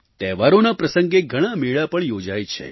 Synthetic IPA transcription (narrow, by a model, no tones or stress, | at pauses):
t̪ɛʋaɾonapɾəsəŋɡeɡʱəɽ̃ameɭapəɳjod͡ʒajt͡ʃʰḛ